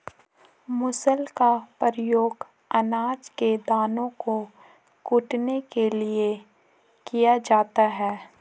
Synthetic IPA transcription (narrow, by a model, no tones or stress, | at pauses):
mʊsəlkapəɾjoːɡ | ɐnaːd͡ʒked̪aːnõko | kʊʈnekelie | kijad͡ʒaːt̪aɦɛː